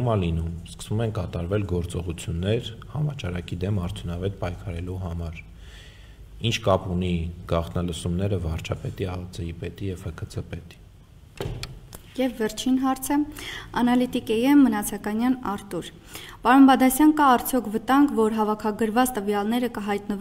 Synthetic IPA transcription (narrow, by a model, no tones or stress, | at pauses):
umɑlinumskə̥svumɛnkɑt̪ɑɾvɛlɡɔɾt͡sɔʁut͡sʰjunːɛɾhɑmɑt͡ʃɑɾɑkid̪ɛmɑɾt̪ʰjunɑvɛt̪̚pɑjkʰɑɾɛluɦɑmɑɾ | int͡ʃʰkɑpuniɡ̥ɑχt̪ʰnɑləsumnɛɾəvɑɾt͡ʃʰɑpɛt̪iɑt͡səipɛt̪ijɛv̥həkʰət͡sʰəpɛt̪i̥ | jɛvːɛɾt͡ʃʰinɦɑɾt͡sʰəɑ̰nɑlit̪ikɛjɛmːənɑt͡sʰɑkɑnjɑnɑɾt̪uɾ | pɑɾunbɑd̪ɑsjɑnkɑːɾt͡sʰjɔkʰvət̪ɑŋɡvɔɾɦɑvɑkʰɑɡəɾvɑt͡st̪əvjɑlnɛɾəkəɦɑjt̪nəv